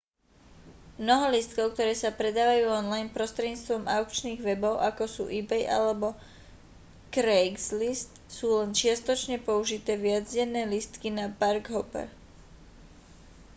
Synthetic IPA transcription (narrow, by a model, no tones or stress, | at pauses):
mnɔɦɔlist̪kɔʊk̚t̪ɔɾɛːsapɾɛd̪aːʋajuːɔnlajnpɾɔst̪ɾɛdɟɲiːt͡st̪ʋɔmaʊkt͡ʃniːɣʋɛbɔʊʔakɔsṵːʔibɛjʔa̰lɛbɔ | kɾɛɡzlist̪suːlɛnt͡ʃɪast̪ɔt͡ʃɲɛpɔuʒit̪ɛːʋɪad͡zɟɛnːɛːlist̪kinapaɾɡɦɔpɛ̰ɾ